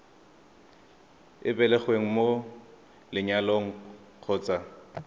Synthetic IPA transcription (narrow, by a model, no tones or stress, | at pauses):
ɪbɛlɛχweŋ̩mo | lɪɲaloŋ̩ | q͡χʰɔːt͡sʼa